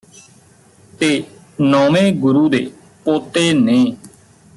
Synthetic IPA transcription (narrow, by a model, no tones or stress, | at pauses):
t̪eː | nɔːmẽːɡʊɾuːd̪eː | poːt̪eːnẽː